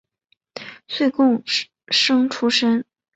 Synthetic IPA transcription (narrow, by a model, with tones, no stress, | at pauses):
swe˥˧ɪkʊ˥˧ŋ | ʂɤ˥ŋʈ͡ʂʰu˥ʂə˥n